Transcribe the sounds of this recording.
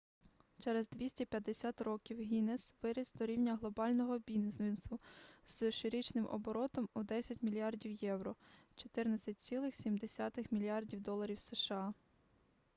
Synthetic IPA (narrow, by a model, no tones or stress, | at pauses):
t͡ʃɛɾɛzd̪ʲʋʲisʲtʲɛpʲjɐd̪ːesʲat̪rɔkʲiwɦʲinesʋɪɾɪzd̪ɔɾʲiwnʲɐɦlˠɔbɑlʲnɔɦɔbʲinzɛnsʊz̥ʃɪɾʲɪt͡ʃnɪmʔɔ̰bɔɾɔt̪ɔmud̪ɛsʲɐtʲmʲilʲijɑrdʲiwjɛwɾɔt͡ʃɔ̥t̪ɪrnɐt͡sʲɐt̚ʲt͡sʲilˠɪxsʲimd̪esʲat̪ɪxmʲilʲiɑrdʲiwd̪ɔlˠɐɾʲiwseʃɑ